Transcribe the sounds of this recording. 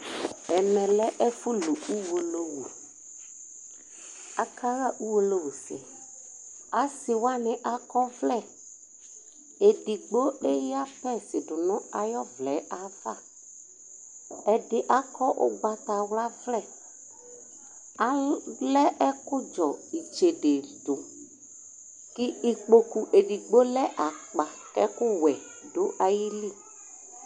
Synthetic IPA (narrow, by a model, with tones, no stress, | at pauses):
ɛ˨mɛ̃˨lɛ˦ʔɛ˦fu˦lu˨u˦wo˨lo˦wu˨ | a˨kʰa˦ɣa˦˨ʔu˦wo˦lo˦wu˨sɪ̰˨ | a˨si˨wa˦nɪ̃˨ʔa˨kɔ˦vlɛ˦˨ | e˨ɖi˨ɡ͡bo˦e˦ja˦pɛ˦˨sɪ˨ɖʊ˨nʊ̃˦a˨jɔ˦vlɛ˨˦a˨va˦ | ɛ˨dɪ˦ʔa˨kɔ˦ʔʊ̰˦ɡ͡ba˨t̪a˨wla˦vlɛ˦˨ | a˨lɛ˦ɛ˦kʊ˦d͡ʒɔ˨i˨t͡ʃe˨ɖe˨dʊ˨ | ki˦i˨k͡po˨ku˨ʔe˨ɖi˨ɡ͡bo˦lɛ˦ʔa˨k͡pa˨kɛ̰˦kʊ˦wɛ˨ | ɖʊ˦ʔa˨ji˦li˦˨